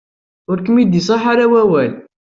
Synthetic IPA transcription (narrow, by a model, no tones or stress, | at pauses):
ʊɾkəmid̪isˤɑħaɾawæwæl